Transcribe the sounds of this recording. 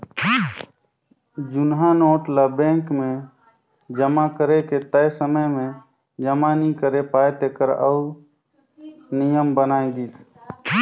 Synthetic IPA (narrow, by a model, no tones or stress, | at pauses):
d͡ʒʊnɦanoːʈlabẽːŋkmẽ | d͡ʒəmakəɾeket̪əjsəməjmẽ | d͡ʒəmanikəɾepaːjt̪ekəɾə̰ʊ | nijəmbənaːẽɡiːs